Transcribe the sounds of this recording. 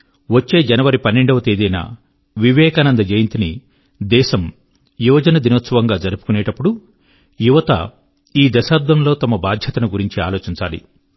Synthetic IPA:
ʋot͡ʃːeːd͡ʒɐnɐʋɐɾipɐnːeɳɖɐʋɐt̪eːd̪ɐjna̰ | ʋiʋɛːkaːnɐnd̪ɐd͡ʒɐjint̪ini | d̪ɛːʃɐm | jɔːd͡ʒɐnɐd̪inoːt̪sɐʋɐŋɡaːd͡ʒɐɾupu̥kuneːʈɐpːuɽu | juʋɐt̪ɐ̰ | iːd̪ɐʃaːd̪ʋɐmlo̞ːt̪ɐmɐbaːd̪ʱjɐt̪ɐnuɡuɾiɲt͡ʃia̰ːlo̞ːt͡ʃiɲt͡ʃaːlḭ

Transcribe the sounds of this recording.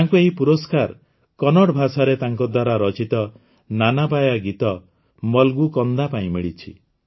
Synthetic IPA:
t̪aŋkueɦipuɾɔskaɾ | kɔnɔɽbʱasaɾet̪aŋkɔd̪waɾaɾɔt͡ʃit̪ɔ | nanapajaɡit̪ɔ | mɔlɡukɔnd̪apaĩmiɭit͡ʃʰḭ

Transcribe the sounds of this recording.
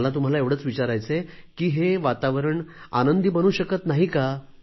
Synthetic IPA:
lat̪um̤alaeʋɽ̤ət͡sʋit͡ɕaɾajt͡sekiːɦeʋat̪aʋəɾəɳ | a̰nənd̪ibənuːɕəkət̪naɦika

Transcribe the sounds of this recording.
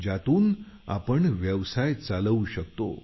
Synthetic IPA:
d͡ʑat̪uːn | a̰pəɳʋjəʋsajt͡saləuɕək̚t̪o̰

